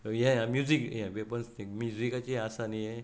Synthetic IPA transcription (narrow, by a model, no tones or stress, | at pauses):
jãjãmjuzikjãʋepənst̪ʰĩkmjuzikat͡ɕiasanije